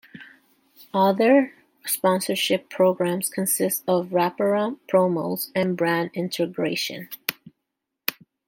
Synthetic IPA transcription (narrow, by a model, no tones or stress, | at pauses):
ʌðə˞ | spɑ̃nsə˞ʃɪpʰɹ̥oʊɡɹæ̃mz̥kʰɨ̃nsɪstʌvɹæpə˞ə̃pʰɹ̥oʊmoʊzɨ̃nbɹæ̃ndɪ̃ntʰɨɡɹeɪʃɨ̰̃n